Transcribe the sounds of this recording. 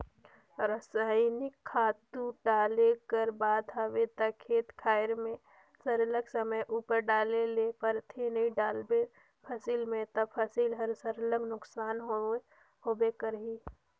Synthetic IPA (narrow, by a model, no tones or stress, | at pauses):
ɾəsaːɪnɪkʰːaːt̪uɖaːlekəɾbaːd̪ɦawet̪akʰeːt̪kʰaːɪɾmẽ | səɾləɡsəməjʔuːpəɾɖaːlelepəɾt̪ʰenəĩɖaːlbe | pʰəsilmẽt̪apʰəsilɦəɾsəɾləɡnʊksaːnɦo | hoːbekəɾɦi